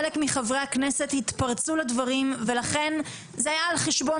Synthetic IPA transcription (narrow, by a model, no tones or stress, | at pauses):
lekmiχavʁeaknese̞t̪hit̪paʁt͡sulad̪vaʁimve̞laχe̞n | zeajaːlχeʃbo̞